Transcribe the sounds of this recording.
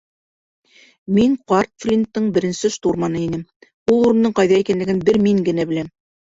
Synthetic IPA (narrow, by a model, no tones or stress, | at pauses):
miŋqɑrt̪flʲint̪ːɤɴbɘ̆ɾɘ̆nsɘʃt̪urmɑnɤinɘm | ulˠuɾɤ̆nd̪ɤɴqɑjðɑikænlɘ̆ɡɘnbɘɾmiŋɡɘ̆næbɘ̆læm